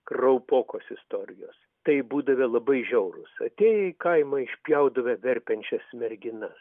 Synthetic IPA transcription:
krɐʊpoːkoːsɪst̪oːɾʲɪjoːs | t̪ɐɪbuːd̪ɐʋʲɛlˠɐbɐɪʒʲɛʊɾʊ̰sɐ̰t̪ʲeːjɛɪkɐɪmɐɪʃʲpʲjɛʊd̪ɐʋʲɐʋʲɛɾʲpʲɛnʲt͡ʃʲɛsmʲɛɾʲɡʲɪnɐs

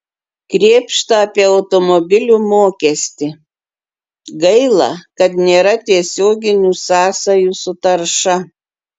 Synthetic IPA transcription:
kɾʲeːpʃt̪ɐɐpʲiɛɐʊt̪ɔmɔbʲɪlʲuːmoːkʲɛsʲt̪ʲɪ | ɡɐɪlˠɐkɐt̪nʲeːɾɐt̪ʲiɛsʲoːɡʲɪnʲuːsɑːsɐjuːsʊt̪ɐɾʃɐ

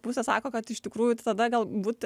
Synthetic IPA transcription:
pʊsʲesɑ̰ːkoːkɐt̪ɪʃt̪ʲɪkɾuːjʊt̪ɐd̪ɐɡɐlˠbuːt̪

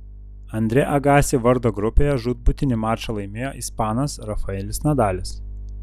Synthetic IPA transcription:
ɐnʲd̪ʲɾʲɛʔɐɡɑːsʲɪʋɐɾd̪oːɡɾʊpʲejɛʒud̪̚bʊt̪ʲɪnʲɪmɑːʃɐlˠɐɪmʲeːjoːʔispɑːnɐsɾɐfɐɛlʲɪsnʲɛd̪ɑːlʲɪs

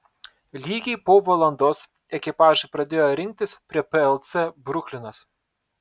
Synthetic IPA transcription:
lʲiːɡʲɛɪpoːʋɐlˠɐnd̪oːs | ɛkʲɪpɑːʒɐpɾɐd̪ʲeːjoːɾʲɪŋʲk̚ʲt̪ʲɪspʲɾʲiɛpɛɛlˠt̪sʲɛbɾʊkʲlʲɪnɐs

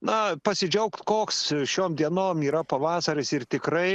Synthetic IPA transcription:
nɐpɐsʲɪd͡ʒʲɛʊkt̪koːksʃʲoːmd̪ʲiɛnoːmiːɾɐpɐʋɑːsɐɾʲɪsɪrt̪ʲɪkɾɐɪ

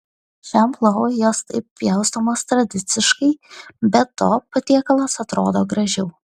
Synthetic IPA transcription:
ʃʲɛmplˠɐjoːst̪ɐɪp̚pʲjɛʊst̪oːmoːst̪ɾɐd̪ʲɪt̪sʲɪʃkɐɪbʲɛt̪ːoːpɐt̪ʲiɛkɐlˠɐsɐt̪ɾoːd̪oːɡɾɐʒʲɛʊ

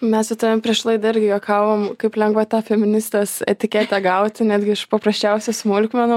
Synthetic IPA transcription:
mʲɛsʋʲɪt̪oːʋʲɛmpʲɾʲiɛʃlˠɐɪd̪ɐɪɾʲɡʲɪjoːkɑːʋoːmkɐɪplʲɛŋɡʋɐt̪ɑːfʲɛmʲɪnʲɪst̪ɛsɛ̰t̪ʲɪkʲeːt̪ʲɛɡɐʊt̪ʲnʲæːd̪ʲɡʲɪɪʃpɐpɾɐsʲt͡ʃʲɛʊsʲɛsmoːlʲɪkmʲɛno

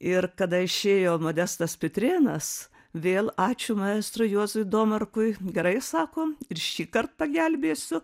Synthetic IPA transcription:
ɪrkɐd̪ɐɪʃʲeːjoːmoːd̪ʲæst̪ɐspʲɪt̪ʲɾʲeːnɐs | ʋʲeːlˠɑːt͡ʃʲʊmɐeːst̪ɾʊjuɔzʊd̪oːmɐrkʊjɡʲɛɾɐɪsɑːkoːɪɾʃʲiːkɐrt̪̚pɐɡʲɛlʲbʲeːsʲʊ

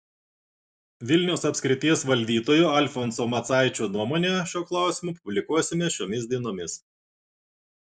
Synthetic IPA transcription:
ʋʲɪlʲnʲɛʊsɐpʲsʲkʲɾʲɪt̪ʲiɛsʋɐlʲd̪ʲiːt̪oːjʊːɐlʲfɔnsomɐt̪sɑˑɪt͡ʃʲoːnuɔmoːnʲeʃʲuɔklˠɑˑʊsʲɪmuːpʊbʲlʲɪkuɔsʲɪmʲeʃʲoːmʲɪs̬ʲd̪ʲiɛnoːmʲɪs

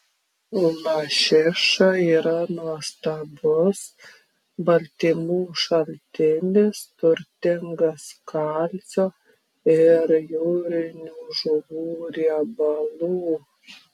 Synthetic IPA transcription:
ʊlɐʃʲɪʃɐiːɾɐnuɔst̪ɐbʊs | bɐlʲt̪ʲimuːʃɐlʲt̪ʲɪnʲɪst̪ʊɾʲt̪ʲɪŋɡɐskɐlʲt͡ssʲoː | ɪɾjuːɾʲɪnʲuːʒʊʋuːɾʲiɛbɐlˠuː

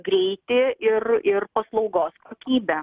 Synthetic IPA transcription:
ɡɾʲɛɪt̪ʲɪɪrɪrpɐslˠɒʊɡoːskoːkʲiːbʲɛ

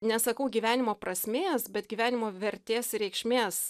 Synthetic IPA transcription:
nʲɛsɐkɐʊɡʲiːʋʲæːnʲɪmoːprɐsʲmʲeːsbʲɛt̪̚ɡʲiːʋʲæːnʲɪmoːʋʲɛɾʲt̪ʲeːsɾʲɛɪkʃʲmʲeːs

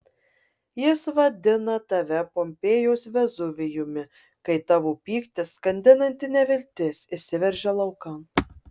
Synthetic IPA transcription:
jɪsʋɐd̪ʲɪnɐt̪ɐʋʲɛpɔmʲpʲeːjoːsʋʲɛzʊʋʲɪjʊmʲɪ | kɐɪt̪ɑʋuːpʲiːkt̪ʲɪssːkɐnʲd̪ʲɪnɐnʲt̪ʲɪnʲɛʋʲɪlʲt̪ʲɪsʲɪsʲɪʋʲɛɾʲʒʲɛlˠɐʊkɐ

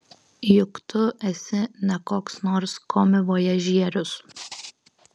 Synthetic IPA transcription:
jʊkt̪ʰʊʔɛsʲɪnɐkoːksnoːɾskoːmʲɪʋoːjɛʒʲiɛɾʲʊs

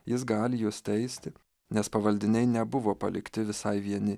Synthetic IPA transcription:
jɪs̬ɡɑːlʲɪjoːst̪ʲɛɪsʲt̪ʲɪ | nʲɛspɐʋɐlʲd̪ʲɪnʲɛɪnʲɛbʊʋoːpɐlʲɪ̰kt̪ʲɪʋʲɪsɐɪʋʲiɛnʲɪ

